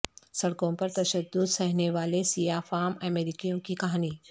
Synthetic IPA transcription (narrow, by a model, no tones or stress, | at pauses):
sɐɽkõpɐɾt̪ɐʃəd̪ːʊd̪sɐɦneʋaːlesijaːfaːməmeːɾɪkijõkikɐɦaːniː